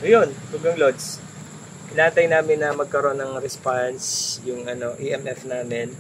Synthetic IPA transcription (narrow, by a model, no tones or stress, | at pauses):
jonhuɡɐŋlod̪s | ʔɪnaːt̪ɐjnaːmɪnːɐmɐɡ̚kɐɾo̞nːɐŋɾɛspansjʊŋɐno̞ʔiʔɛmʔɛfnaːmɪn